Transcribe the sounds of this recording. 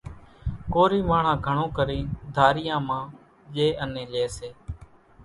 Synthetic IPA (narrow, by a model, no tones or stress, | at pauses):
koːɾiːmaːɳãːɡʱəɳõːkəɾĩːd̪ʱaːɾɪjãːmãː | d͡ʒeːʔənẽːleːseː